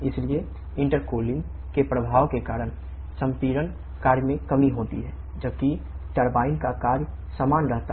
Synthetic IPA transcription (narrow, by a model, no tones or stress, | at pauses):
ɪslie | ɪ̃ɳʈəɾkoːlɪ̃ŋɡ | kepɾəbʱaːʋkekaːɾəɽ̃ | sə̃mpiːɾən | kaːɾjmẽkəmiɦoːt̪ḭɦɛː | d͡ʒəb̚kiʈəɾbaːɪnkakaːɾj | saːmaːnɾəɦt̪a